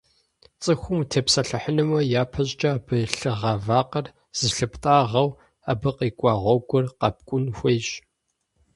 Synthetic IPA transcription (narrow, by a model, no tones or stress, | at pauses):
t͡sʼɨxʷʊmtʰeːpsɐɬɨħənɨmɐjaːpʰɐʑʼt͡ʃʼɐːbɨɬɨʁɑvaːqɐr | z̥ɨɬɨpʰtʼaːʁɐw | abɨqʼiːkʷʼɑːʁʷɔɡʷʊrqɑp̚kʷʼʊnxʷejɕ